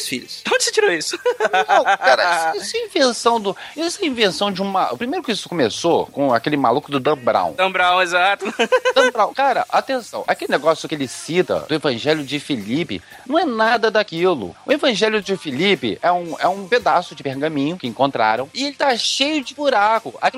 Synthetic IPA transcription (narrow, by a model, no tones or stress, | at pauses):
sfḭʎʊsõnd͡ʒɪset͡ʃiɾoisʊ̥nɐ̃w̃kaɾɐisisʊɐĩvẽsɐ̃w̃d̪ʊisɐĩvẽsɐ̃w̃d͡ʒɪũmɐʊ̰pɾimejɾʊkɪisʊ̥komesokõa̰kelɪma̰lukʊd̪ʊd̪ɐ̃bɾɐ̰̃w̃d̪ɐ̃bɾɐ̃w̃ezat̪ʊd̪ɐ̃bɾɐ̃w̃kaɾɐʔat̪ẽsɐ̰̃w̃akelɪneɡɔsjʊkɪelɪsit̪ɐ̰d̪ʊevɐ̃ʒɛljʊd͡ʒɪfilipɪ̰ | nɐ̃w̃ɛnad̪ɐd̪akilʊ̰ʊevɐ̃ʒɛljʊd͡ʒɪfilipɪ̰ɛũɛũped̪asʊd͡ʒɪpehɡɐ̃mĩɲʊkɪẽŋkõnt̪ɾa̰ɾɐ̃w̃ɪelɪt̪aʃejʊd͡ʒɪbuɾakʊa̰ki